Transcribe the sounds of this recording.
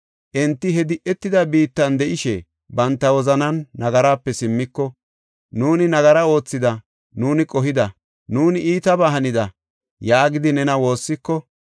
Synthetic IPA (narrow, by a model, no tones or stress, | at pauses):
ʔɛnt̪ːɪɦɛd̪ɪʔɛt̪ːɪd̪ɐbiːt̪ːɐnd̪ɛʔɪʃɛ | bɐnt̪ːɐwɔzɐnɐnːɐɡɐɾaːpːɛsɪmːɪkːɔ | nuːnɪnɐɡɐɾɐo̞ːt͡sːɪd̪ɐ | nuːnɪkʼɔɦɪd̪ɐ | nuːnɪiːt̪ɐbaɦɐnɪd̪ɐ | jaːɡɪd̪ɪnɛnɐwo̞ːsːɪkːɔ